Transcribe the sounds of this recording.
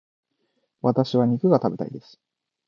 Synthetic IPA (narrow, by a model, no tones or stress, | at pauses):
βat̪aɕiβaɲ̟ikɯ̟ɡat̪abe̞t̪a̰id̪e̞sɨ̥